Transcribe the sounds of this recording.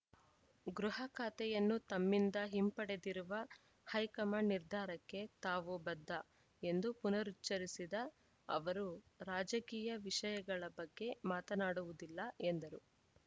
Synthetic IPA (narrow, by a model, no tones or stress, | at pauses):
ɡɾuɦɐkʰaːt̪ɛjɐnːut̪ɐmːind̪ɐɦimpɐɽe̞d̪iɾuʋɐ | hɐjkɐmɐniɾd̪ʱaːɾɐkːe̞t̪aːʋubɐd̪ʱːɐ | e̞nd̪upunɐɾut͡ʃːɐɾisid̪ɐ | ɐ̰ʋɐɾuɾaːd͡ʒɐkiːjɐʋiʃɐjɐɡɐɭɐbɐɡːe̞maːt̪ɐnaːɽuʋud̪ilːɐe̞nd̪ɐɾu